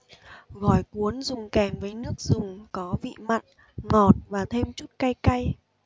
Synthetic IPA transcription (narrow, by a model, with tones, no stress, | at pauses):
ɣɔ˧˩jku˨˦ənzʊ˨˩ŋ͡mkɛ˨˩ŋvəː˨˦jnɨ˦˥ək̚zʊ˨˩ŋ͡mkɔ˨˦vḭ˧˨ma̰˧˨jŋ | ŋɔ˨˩t̚vaː˨˩t̪ʰe˧mt͡ɕu˦˥t̚ka˧jka˧j